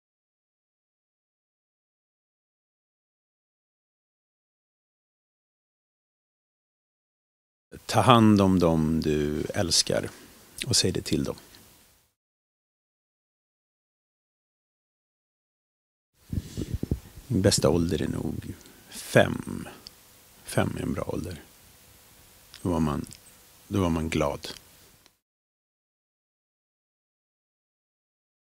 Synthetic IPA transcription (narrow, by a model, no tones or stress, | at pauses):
t̪ʰɑːɾɦand̪ɔmd̪ɔmd̪ɵɛlska̰ɾ | ɔsɛjd̪ɛt̪ʰɪld̪ɔ̰m | ɪnbɛst̪aɔld̪əɾæɳṵːɡfɛ̰m | fɛmːæɾɛ̰nbɾɑ̰ːʔɔ̰ld̪əɾ | d̪̥ɔvaman | d̪ɔvaɾmanɡlɑːd̪